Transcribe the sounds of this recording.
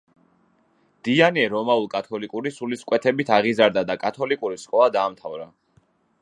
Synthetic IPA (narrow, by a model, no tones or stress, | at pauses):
d̪̥ianiɛɾɔmaulˠkʼat̪ʰɔlikʼuɾisuliskʼwɛt̪ʰɛbit̪ʰaʁizaɾd̪ad̪akʼat̪ʰɔlikʼuɾiskʼɔad̪aːmt̪ʰavɾa